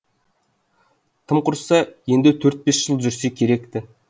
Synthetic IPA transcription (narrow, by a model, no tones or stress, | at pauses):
t̪ʰəmqʰʊɾsɑje̞nd̪ɪt̪ʰɵɾt̪̚be̞sʒ̥əlˠʒʏɾse̞kʲʰe̞ɾe̞kt̪ɪ